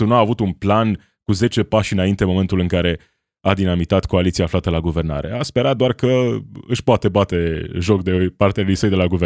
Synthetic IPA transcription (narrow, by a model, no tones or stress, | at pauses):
unuaːvut̪unplan | kuze̞t͡ʃe̞paʃɨnaint̪e̞mo̞me̞nt̪ulɨŋkaɾe̞ | ad̪inamit̪at̪koalit̪siaːflat̪əlaɡuve̞rna̰ɾe̞̰aspe̞ɾat̪̚d̪oarkəɨʃpoat̪e̞bat̪e̞ʒo̞k̚d̪eojpart̪ealujsəjd̪e̞laɡuve